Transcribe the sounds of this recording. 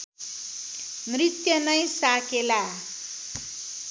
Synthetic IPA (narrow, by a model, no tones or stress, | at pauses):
mrit̪jʌnʌjsakela